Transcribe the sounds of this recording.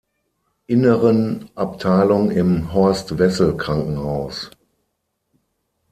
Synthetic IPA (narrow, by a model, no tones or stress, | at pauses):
ʔɪnəʁənʔap̚tʰaɪlʊŋɪmɦɔɐstvɛsl̩kʁ̥aŋkŋ̩haʊs